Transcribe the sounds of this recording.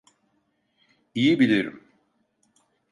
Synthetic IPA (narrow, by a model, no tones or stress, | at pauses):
ijibilʲiɾḭm